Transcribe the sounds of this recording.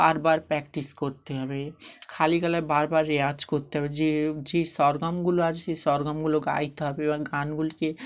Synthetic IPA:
baɾbaɾpɾɛk̚ʈiskoɾt̪eɦɔbekʰalikalabaɾbaɾːead͡ʒkoɾt̪eɦɔbed͡ʒed͡ʒesɔɾɡamɡuload͡ʒʰesesɔɾɡamɡuloɡa̰jt̪ɦɔbeebaɡanɡulike

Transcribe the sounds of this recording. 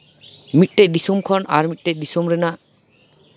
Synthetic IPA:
mit̪̚ˀʈɛc̚d̪isɔmkʰɔnʔaɾmit̚ʈɛʔd̪isɔmɾɛnaʔ

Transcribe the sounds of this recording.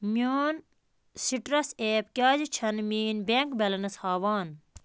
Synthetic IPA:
mʲoːn | siʈɾɐseːpkʲaːd͡ʒit͡ʃʰɐnmiːnbeŋkbɐlɐnɐshaːʋaːn

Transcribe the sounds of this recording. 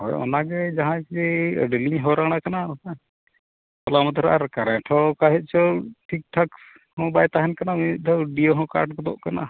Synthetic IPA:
hɔ̰jɔ̰naɡɛd͡ʒaɦãkd͡ʒɛə̰ɖliɲɦɔɾaɽ̃akanaa | pɔlamat̪ɔɾa̰ɾkaɾɛ̃ʈʰɔkaɦɛt̪̚ˀt͡ʃʰɔʈʰik̚ʈʰak | hɔ̃bajt̪aɦɛnkanamid̪ʱɔɖioɦɔ̃ka̰ɾʈkɔd̪ɔ̰ʔkana̰

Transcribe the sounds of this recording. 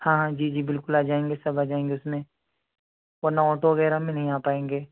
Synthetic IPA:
hãːɦãd͡ʒiːd͡ʒiːbɪlkʊlaːd͡ʒaːẽːŋɡesɐbaːd͡ʒaːẽːŋɡeʊsmẽ | oːnaɔːʈoʋɐɣɛːɾamẽnɐɦĩaːpaːẽːŋɡeː

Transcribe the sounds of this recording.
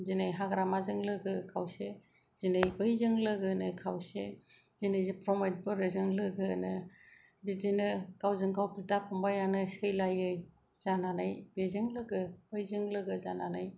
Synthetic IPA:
zinɯjɦaɡɾamazɯŋlɯɡɯkʰawse | zinɯjbɯjzɯŋlɯɡɯnɯkʰawse | zinɯjzɯpʰɾɔmajt̚bɯɾɯzɯŋlɯɡɯnɯ | bid͡ʒinɯkawzɯŋkʰawpʰisdapʰɔmbajanɯsɯjlajɯj | z̥ananajbezɯŋlɯɡɯb̥ɯjzɯŋlɯɡɯzananaj

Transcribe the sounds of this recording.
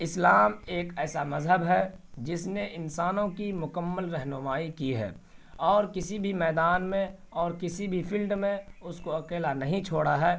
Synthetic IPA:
ɪslaːmeːkɛːsamɐzɦəbɦɛd͡ʒɪsneʔɪnsaːnõkimʊkəmːəlɾɛɦnʊmaːikiɦɛ̰ːɔːɾkɪsibʱimɛːd̪aːnmẽ | ɔːɾkɪsibʱipʰɪlɖmẽʊskoɐkeːlanɐɦĩt͡ʃʰoːɽaɦɛː

